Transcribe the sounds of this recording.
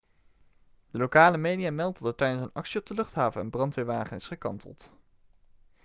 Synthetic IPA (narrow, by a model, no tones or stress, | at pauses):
dəlokaːləmejdijaːmɛlˠtɑtətɛjdənsənɑ̰ksiɔb̚dəlɵχtɦaːvənə̰nbrɑntʋɪːʋaːχənɪsχəkɑ̰ntʰə̰lˠt